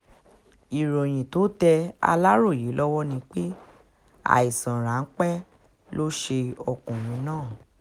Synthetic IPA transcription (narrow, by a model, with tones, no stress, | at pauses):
i˨ɾo˨j̃ĩ˨to˨˦tɛ˧a̰˧la˦ɾo˦˨ji˨˦lɔ˦wɔ˦nĩ˧k͡pe˦ | a̰˨i˨sã˨ɾã˨˦n̩˦k͡pɛ˦ | lo˦ʃe˧ɔ˧kũ˨mĩ˨˦nãː˦˨